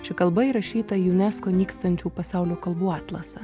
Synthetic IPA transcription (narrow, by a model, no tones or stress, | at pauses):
t͡ʃʲɪkɐlˠbɐiɾɐʃʲiːt̪ɐjɛʊnʲæskoːnʲiːkst̪ɐnʲt͡ʃʲuːpɐsɑˑʊlʲoːkɐlˠbuːɑːt̪lˠɐsɐ